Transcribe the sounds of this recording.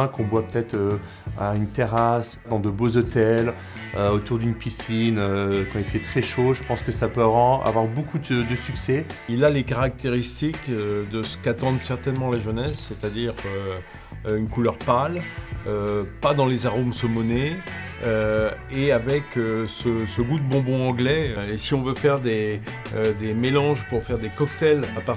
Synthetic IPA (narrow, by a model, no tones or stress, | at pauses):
ɛ̃kɔ̃bwapə̥t̪ɛt̪χø | aynt̪eʁas | d̪ɑ̃d̪əbozot̪ɛl | øot̪uʁd̪ynpisinøkɑ̃ilfɛt̪χɛʃoʒəpɑ̃skəsapøaa̰vwaʁbokud̪əd̪əsyksɛilalekaʁak̚t̪eʁist̪ikd̪əsə̥kat̪ɑ̃d̪sɛʁt̪ɛnmɑ̃laʒənɛsːet̪ad̪iʁø | ynkulœʁpaløpad̪ɑ̃lezaʁomsɔmɔne | øeavɛkøsəsəɡud̪əbɔ̃bɔ̃ɑ̃ɡlɛesiɔ̃vøfɛʁd̪e | d̪emelɑ̃ʒpuʁfɛʁd̪ekɔkt̪ɛlapa